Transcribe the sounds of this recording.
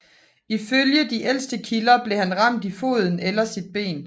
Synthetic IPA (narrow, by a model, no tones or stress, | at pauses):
iføljəd̥iʔel̰sd̥əkʰilɐb̥le̝hænʁɑ̈m̰d̥ifo̝ːð̞ˠn̩elɐsid̥̚b̥e̝̰ːn